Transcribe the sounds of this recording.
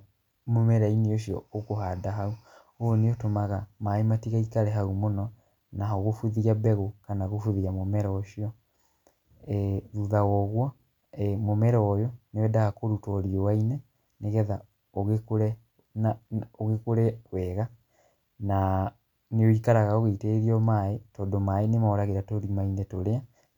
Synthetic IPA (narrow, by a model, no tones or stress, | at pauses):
momɛɾaineoɕjɔ̰okoɦadaɦau | oneotomaɣamaematiɣaikaɾɛɦaumonɔ | naoɣofuðiabɛɣokanaɣofuðiamomɛɾɛoʃiɔ | ɛðuðawɔɣwɔ | ɛmomɛɾɛwɔjɔneoɛdaɣakoɾutɔɾiɔwainɛ | neɣɛða | oɣekoɾɛ | naoɣekoɾɛkwɛːɣa | na | neoikaɾaɣaoɣeiteːɾiɔmaetɔːdomaenemaɔɾaɣeɾatoɾimainɛtoɾea